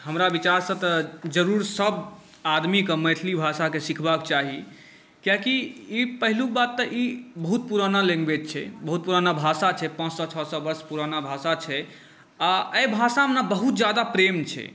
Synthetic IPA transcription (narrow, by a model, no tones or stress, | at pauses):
həmɾabit͡ʃaɾsə̃t̪ɔd͡ʒəɾuɾsəb | ad̪mikeməjt̪ʰlibʱasakesikʰbakt͡ʃaɦi | kjakiipəɦilukbat̪ːəʔibəɦut̪̚puɾanaleŋɡbet̪̚t͡ʃʰɛ̰bəɦut̪̚puɾanabʱasat͡ʃʰɛpãt͡ʃsɔt͡ʃʰɔsɔbəɾspuɾanabʱasat͡ʃʰɛ | aəjbʱasamenabəɦut̪d͡ʒad̪apɾemt͡ʃʰɛ̰